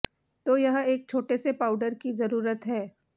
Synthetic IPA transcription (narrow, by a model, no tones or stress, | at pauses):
t̪oːjɐɦeːk̚t͡ʃʰoːʈesepaːʊɖəɾkizɐɾuːɾət̪ɦɛː